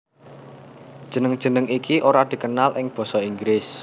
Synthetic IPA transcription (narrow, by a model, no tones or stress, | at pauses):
d̥ʒ̥ə̤nəŋ̥ʒ̥ə̤nəŋikiʔoɾad̪̥i̤kənalʔɪŋb̥ɔ̤sɔiŋɡɾɪs